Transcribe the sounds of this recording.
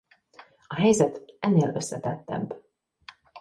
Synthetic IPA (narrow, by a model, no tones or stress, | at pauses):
ɒɦɛjzɛt̪ɛnːeːlø̞sːɛt̪ɛt̪ːɛ̰b